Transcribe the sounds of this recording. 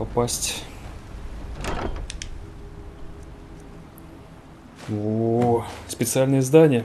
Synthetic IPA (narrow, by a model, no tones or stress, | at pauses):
ɐpasʲtʲ | vo | spʲɪt̪sɨalʲnəjəɪzd̪anʲɪjə